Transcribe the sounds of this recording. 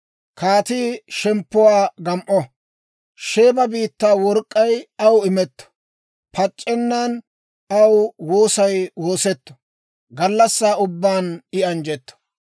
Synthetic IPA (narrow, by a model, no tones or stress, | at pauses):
kaːt̪iːʃɛmpːʊwaːɡɐmʔɔ | ʃe̞ːbɐbiːt̪ːaːwɔɾkʼːɐjɐwɪmɛt̪ːɔ̥ | pɐt͡ʃʼːɛnːaːn | ɐwwoːsɐjwo̞ːsɛt̪ːɔ̥ | ɡɐlːɐsːaːʊbːaːnɪɐnd͡ʒɛt̪ːɔ̥